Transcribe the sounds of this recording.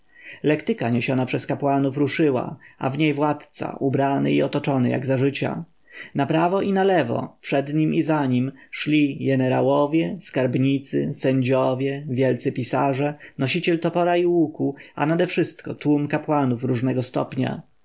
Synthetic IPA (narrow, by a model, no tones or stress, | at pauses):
lɛkt̪ɘkaɲeɕɔnapʂɛskapwanufɾuʂɘwa̰a̰vɲejvwat̪t̪sa̰ʔubɾanɘ̰iɔt̪ɔt͡ʂɔnɘja̰ɡzaʐɘt͡ɕa̰ | napɾavɔʔinalɛvɔ̰pʂɛd̪ɲimizaɲimʂlʲiɡɛnɛɾa̰wɔvʲjɛskaɾbɲit̪sɘ̰sɛɲd͡ʑɔvʲjɛvʲjɛlt̪sɘpʲisaʐɛnɔɕit͡ɕɛlt̪ɔpɔɾaiwukua̰nad̪ɛfʂɘst̪kɔt̪wumkapwanufɾuʐnɛɡɔst̪ɔ̰pɲa̰